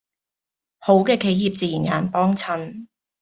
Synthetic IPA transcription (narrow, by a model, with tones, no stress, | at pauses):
ho˨˥wkɛː˧kʰe˨˥jiː˨p̚t͡siː˨˩jiː˨˩nja̰ː˨˩npɔː˥ŋt͡sʰɐ˧˥n